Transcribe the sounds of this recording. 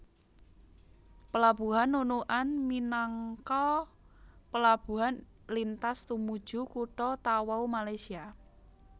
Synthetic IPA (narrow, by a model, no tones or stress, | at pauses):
pəlab̥ṳɦanːunuʔanminaŋkɔ | pəlab̥ṳɦan | lint̪ast̪umud̥ʒ̥ṳkuʈɔt̪awaumalajsia